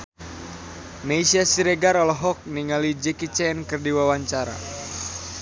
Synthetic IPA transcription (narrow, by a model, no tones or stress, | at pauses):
maisiasiɾeɡaɾɔlɔɦɔk̚niŋalid͡ʒɛkit͡ʃɛnkɨrdiwawaɲt͡ʃaɾa̰